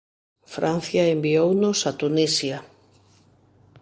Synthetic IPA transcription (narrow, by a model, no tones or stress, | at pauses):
fɾʔan̟θjɐembiownʊsat̪unisjɐ